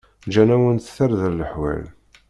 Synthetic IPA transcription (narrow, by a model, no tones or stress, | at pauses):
d͡ʒænæwənθθəɾðəɾləħwæ̰l